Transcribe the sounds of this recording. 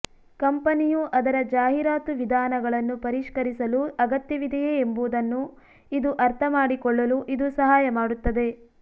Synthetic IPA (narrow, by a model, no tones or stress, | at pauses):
kɐmpɐnijuʔɐd̪ɐɾɐd͡ʒaːɦiɾaːt̪uʋid̪ʱaːnɐɡɐɭɐnːupɐɾiʂkɐɾisɐluɐɡɐt̪jɐʋid̪ʱɐjeembuːd̪ɐnːu | id̪uʔɐɾt̪ʰɐmaːɽikɔɭːɐluʔid̪usɐɦaːjɐmaːɽut̪ːɐd̪e̞